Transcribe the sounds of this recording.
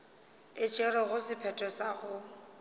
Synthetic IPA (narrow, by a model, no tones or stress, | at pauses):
ɪt͡ʃʼɛɾɔɣʊsɪpʰɛtʼɔsaɣʊ